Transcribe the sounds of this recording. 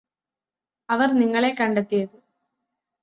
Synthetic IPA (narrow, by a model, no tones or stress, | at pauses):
ɐʋɐrniŋːɐɭe̞kɐɳɖet̪ːijɐðɨ